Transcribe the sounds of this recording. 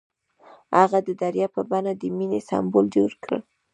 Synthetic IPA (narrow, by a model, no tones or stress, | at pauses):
haɣad̪əd̪aɾjɑpəbanad̪əminesɑ̰mbold͡ʒoɾkɽə̰